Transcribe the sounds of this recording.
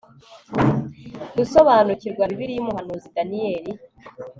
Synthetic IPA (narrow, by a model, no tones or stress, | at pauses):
ɡusoβanuciɾɡwaβiβiɾijumuɦanuːzidanijeɾi